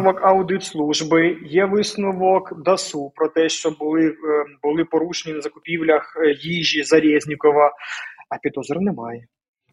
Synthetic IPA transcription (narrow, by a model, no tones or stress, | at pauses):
ʊʋɔkɐwd̪ɪt̪slˠuʒbɪjɛʋɪsnʊʋɔkd̪ɐsupɾɔt̪ɛʃt͡ʃɔbʊlˠɪbʊlˠɪpɔɾuʃenʲinɐzɐkʊpʲiwlʲɐxjiʒʲizɐɾʲɛzʲnʲikɔʋɐɐpʲid̪ɔzɔɾɐnɛmɑjɛ